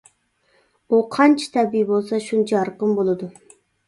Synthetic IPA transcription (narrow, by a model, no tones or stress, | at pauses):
uqʰɑnt͡ʃʰi̥t̪ʰɛbijbolˠsɑʃunt͡ʃʰjɑɾqəmbolˠɨd̪u